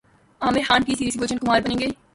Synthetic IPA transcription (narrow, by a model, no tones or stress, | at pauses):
ãːmẽxãːɳkisiːɾisiɡoːt͡ʃənkʊmaːɾbɐnẽːɡeː